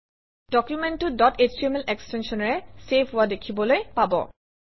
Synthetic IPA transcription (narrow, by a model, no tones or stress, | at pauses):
d̥ɔkjumɛntʊdɔtet͡ʃiɛmɛlɛkstɛnsɔnɔɹɛsepʰɦʊwadekʰibɔlojpabɔ̰